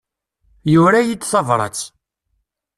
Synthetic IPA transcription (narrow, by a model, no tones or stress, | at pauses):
jʊɾæjit͡sːθɑvɾˤɑ̰t͡s